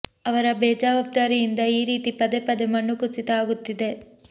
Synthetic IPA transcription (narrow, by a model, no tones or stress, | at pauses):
ɐʋɐɾɐbɛːd͡ʒaːʋɐb̚d̪aːɾijind̪ɐiːɾiːt̪ipɐd̪epɐd̪emɐɳːukusit̪ɐaːɡut̪ːid̪e̞